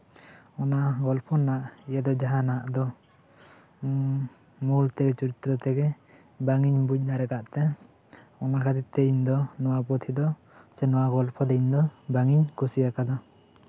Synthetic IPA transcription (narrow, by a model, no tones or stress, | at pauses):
ɔnaɡɔlpʰɔnaʔijad̪ɔd͡ʒaɦanaʔd̪ɔ | mult̪ɛɡɛt͡ʃuɾit̪ɾɔt̪ɛɡɛ | baŋiɲbuc̚ˀnaɾɛkaʔt̪ɛ | ɔnakʰad̪it̪ːɛiɲd̪ɔnɔwapɔt̪ʰid̪ɔ | sɛnɔwaɡɔlpʰɔd̪ɛiɲd̪ɔbaŋiɲkusijakad̪ɔ